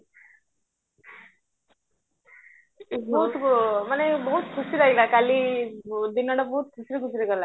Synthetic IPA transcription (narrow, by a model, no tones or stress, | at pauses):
bɔɦut̪manebəɦut̪kʰusiɾaɡilakali | d̪iŋɡəɳɽabɔɦut̪̚kusɾikus̬ɾikəɾla